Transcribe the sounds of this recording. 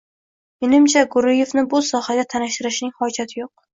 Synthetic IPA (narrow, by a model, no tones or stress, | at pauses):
menɪmt͡ʃʰaɡʊɾɪje̞fnɪbʊsɒhad̪ʲat̪ʰanɪʃt̪ɪɾɪʃnɪŋhɒd͡ʒat̪ʰɪjoq̚